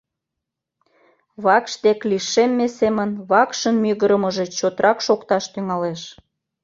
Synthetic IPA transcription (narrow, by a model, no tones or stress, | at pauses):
βɑkʃt̪ekliʃemːesemənβɑkʃənmyɣəɾəməʒet͡ɕot̪ɾɑkʃokt̪ɑʃt̪yŋɑleʃ